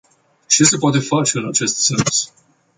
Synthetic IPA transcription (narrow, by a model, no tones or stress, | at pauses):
t͡ʃesep̬wat̪e̞fat͡ʃeɨnat͡ʃe̞st̪sens